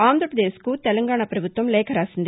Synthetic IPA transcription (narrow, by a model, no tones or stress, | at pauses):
aːnd̪ɾɐpɾɐðd̪eːskuːt̪ɛlɐŋɡaːɳɐpɾɐbut̪ʋɐmleːkʰɐɾaːsɐnd̪